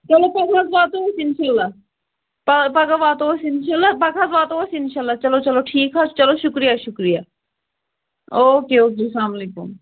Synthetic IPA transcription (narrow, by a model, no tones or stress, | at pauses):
t͡ʃɐlopɐkʰaːt̪baːt̪osiɪnʃaːlːaː | papɐkabaːt̪osiɪnʃaːlːaːpɐkʰaːt̪baːt̪osiɪnʃaːlːaːt͡ʃɐlot͡ʃɐloʈʰiːkɦat͡ʃt͡ʃɐloʃʊkɾijaʃʊkɾijaː | oːkeoːkesaːmlikṵm